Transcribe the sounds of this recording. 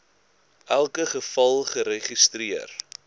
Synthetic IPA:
ʔælˠkəχəfɐlˠχəɾeχistriər

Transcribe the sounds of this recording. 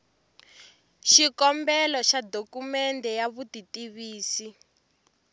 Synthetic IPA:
ʃikɔmbɛlɔʃadokumɛndɛjaβutitiβiːsi

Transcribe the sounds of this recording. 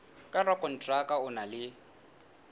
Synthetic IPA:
kʼarwakʼɔn̩tʼrakʼaʊnalɪ

